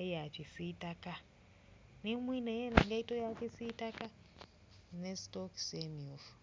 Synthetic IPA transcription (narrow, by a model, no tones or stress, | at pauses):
ejat͡ʃisiːtaka | nemwinejeneŋɡaitojakesiːtaka | nestoksemiuf